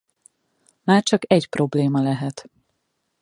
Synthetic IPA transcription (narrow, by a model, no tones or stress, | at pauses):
maːrt͡ʃɒkɛɟpro̞bleːmɒlɛɦɛt̪